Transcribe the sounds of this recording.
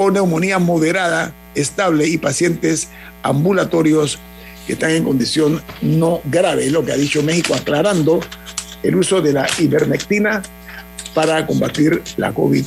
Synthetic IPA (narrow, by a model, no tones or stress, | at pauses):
one̞wmo̞niamo̞ðe̞ɾaða | est̪aβle̞ipasje̞nt̪e̞s | ambulat̪o̞ɾjo̞s | ke̞̰st̪aŋe̞ŋko̞nd̪isjo̞nno̞ɡɾaβe̞lo̞kea̰ðit͡ʃo̞me̞xikoaklaɾand̪o̞ḛluso̞ðe̞laʔiβeɾmek̚t̪ina | paɾako̞mbat̪iɾla̰ko̰βið